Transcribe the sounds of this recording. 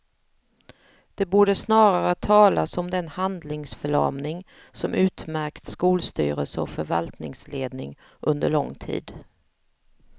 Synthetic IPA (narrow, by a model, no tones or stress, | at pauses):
d̪̥ɛbuːɖəsnɑːɾaɾət̪ʰɑːlasɔmd̪ɛnhand̪lɪŋsfœɭɑ̰ːmnɪŋ | sɔmʔʉ̟ːt̪mæɾkt̪skuːlst̪y̰ːɾəlsəɔ̰fœɾva̰lt̪nɪŋsleːd̪nɪ̰ŋ | ʔɵnd̪əɭɔŋːt̪ʰḭːd̪